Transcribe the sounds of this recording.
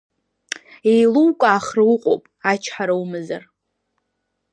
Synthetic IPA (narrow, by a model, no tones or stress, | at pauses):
ejluwkʷʼaːχrɨwʊqʷʼo̰pʼat͡ʃʰħaɾawmɨza̰r